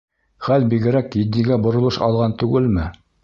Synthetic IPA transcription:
χælbiɡɘ̆ɾækjɘ̆d̪ːiɡæbŏɾŏlˠɤʃɑ̰lˠʁɑnt̪ʉɡɘlmɘ

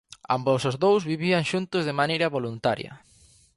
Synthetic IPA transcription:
a̰mbosʊzðowzβiβiaŋʃunt̪ʊzðɪmanejɾɐβolunt̪aɾjɐ̰

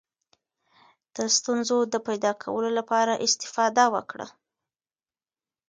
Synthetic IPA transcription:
d̪̥əst̪unzod̪əpajd̪ɑkʰa̰wəlolapɑɾaʔɪst̪ɪ̥fɑd̪awə̰kɽə̰

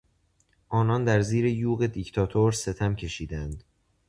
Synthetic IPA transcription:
ʔɒːnɒːnd̪æɾziːɾe̞juːɣe̞d̪ict̪ʰɒːt̪ʰoɾse̞t̪ʰæmcʰe̞ʃiːd̪ænd̪̥

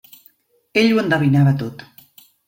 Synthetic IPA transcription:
eʎuend̪aβinaβat̪ot̪

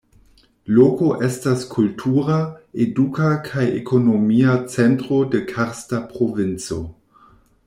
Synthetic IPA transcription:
loko̞ʔe̞staskʰultʰuɾaedukakʰajḛkʰo̞nomiat͡sentɾo̞de̞kʰaɾstapɾo̞vint͡so̞̰

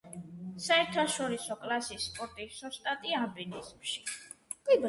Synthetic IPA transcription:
saɛɾt̪ʰaʃɔɾisɔkʼlasisːpʼɔɾt̪ʼisɔst̪ʼat̪ʼiabinizmʃi̥ | kʼb

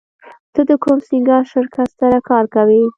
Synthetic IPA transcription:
t̪əd̪əkomsiŋɡɑʃəɾkʰat̪saɾakɑɾkawi

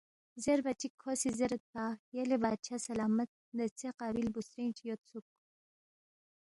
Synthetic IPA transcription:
zeɾbɐt͡ʃikʰːosizeɾət̪̚pajelebaːd̪̚t͡ʃʰasɐlaːmɐt̪̚nɐt͡seqɑːbilbusɾint͡ʃjot̪suk̚

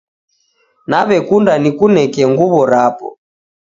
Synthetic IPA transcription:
naβɛkundanikunɛkɛŋɡuβɔɾapɔ̰

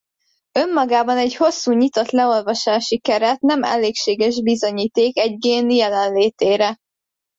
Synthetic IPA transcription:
ø̞mːɒɡaːbɒnɛɟho̞sːuːɲit̪o̞t̪lɛo̞lvɒʃaːʃikɛɾɛt̪nɛmɛ̰leːkʃeːɡɛʒbizo̞ɲiːt̪eːkɛɟɡeːnijɛlɛnleːt̪eːɾɛ

